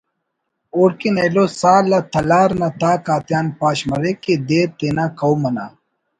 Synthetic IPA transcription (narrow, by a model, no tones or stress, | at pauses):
oːɽkinɐlosaːlːat̪ʰɐlaːɾnat̪aːkaːt̪jaːnpaːɕmɐɾeked̪eːt̪eːnakɐwmɐna̰ː